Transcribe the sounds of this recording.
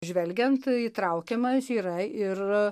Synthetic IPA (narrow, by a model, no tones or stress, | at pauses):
ʒʲʋʲɛlʲɡʲɛnt̪iːt̪ɾɐʊkʲɛmɐsiːɾɐɪr